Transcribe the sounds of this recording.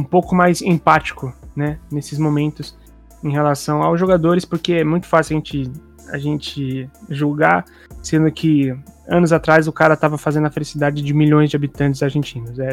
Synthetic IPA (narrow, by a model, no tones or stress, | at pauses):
ũpowkʊmajzẽpat͡ʃi̥kʊnɛnesɪzmomẽnt̪ʊs | ẽɦelasɐ̃w̃awzʒoɡad̪oɾɪspoɾkeɛmũj̃t̪ʊ̥fasiwaʒẽnt͡ʃɪ | a̰ʒẽnt͡ʃɪʒuɡa | sẽnd̪ʊkʰɪɐ̃nʊzat̪ɾazʊkaɾɐt̪avɐfazẽnd̪ʊɐfelisid̪ad͡ʒɪd͡ʒɪmiʎõj̃zd͡ʒɪabit̪ɐ̃nt͡ʃɪzaɾʒẽnt͡ʃĩnʊsɛ